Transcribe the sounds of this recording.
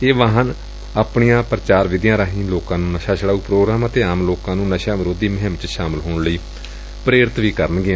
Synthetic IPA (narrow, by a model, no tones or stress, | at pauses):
eːʋaːɦən | aːpɳijãːpɾət͡ʃaːɾʋɪd̪jãːɾaːɦĩːloːkãːnũːnəʃaːʃəɽaːuːpɾoːɡɾaːmət̪eːaːmloːkãːnũːnəʃaːʋɪɾoːd̪iːməɦəmt͡ʃʃaːməlɦoːɳləiː | pɾeːɾɪt̪ʋiːkəɾənɡɪãː